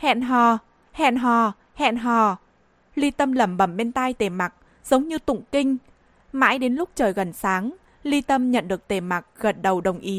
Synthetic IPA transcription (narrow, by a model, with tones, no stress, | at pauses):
hɛ̰˧˨nɦɔ˨˩ | hɛ̰˧˨nɦɔ˨˩ | hɛ̰˧˨nɦɔ˨˩ | li˧t̪ə˧mlə˧˩mɓə˧˩mɓɛ˧nt̪a˧jt̪e˨˩ma˨˩k̚ | z̥ə˨˦wŋ͡mɲɨ˧t̪ʊ̰˧˨ŋ͡mkï˧ŋ̟ | ma̰ː˧˥jɗe˨˦nlʊ˦˥k͡p̚t͡ɕəː˨˩jɣə˨˩nsaː˨˦ŋ | li˧t̪ə˧mɲə̰˧˨nɗɨ˨˩ək̚t̪e˨˩ma˨˩k̚ɣə˨˩t̚ɗə˨˩wɗə˨˩wŋ͡mʔi˨˦